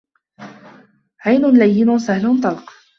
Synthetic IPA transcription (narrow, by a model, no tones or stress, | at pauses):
ʕajnʊnlajːɪnʊsahlʊnt̪ˤɑlq